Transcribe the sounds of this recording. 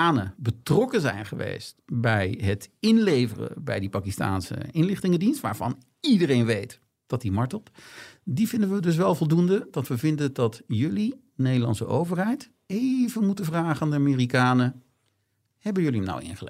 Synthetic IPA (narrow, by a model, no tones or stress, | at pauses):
aːnəbətrɔkəzɛjnχəʋḛjstbɛjɦətɪnlejvərə̰bɛ̰jdipaːkista̰ːnsə̰ɪnlɪχtɪŋədinstʋa̰ːɹvɑ̰n | idərejnʋejt | d̥ɑt̚dimɑɹtəlˠtdivɪndəʋədɵs̬ʋɛlˠvɔlˠdundəd̥ɑtʋəvɪndəndɑtjɵli | nejdəlɑ̰nsə̰ʔo̰wvərɦɛjt | ejvənmutəvraːχəandəamɪːrikaːnə | hɛbənjɵlina̰wɪ̰nχəlɛ